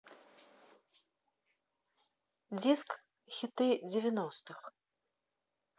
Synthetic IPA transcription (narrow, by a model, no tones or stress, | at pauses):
d͡zʲisk | xʲit̪ɨd͡zʲɪvʲɛnɔst̪ɨx